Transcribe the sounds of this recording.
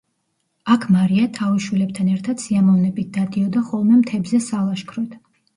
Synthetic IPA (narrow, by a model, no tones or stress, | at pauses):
akʰmaɾiat̪ʰaviʃwilɛp̚t̪ʰanɛɾt̪ʰad̪̥siamɔvnɛbit̪̚d̪̥ad̪iɔd̪aχɔlˠmɛmt̪ʰɛbzɛsalˠaʃkʰɾɔt̪ʰ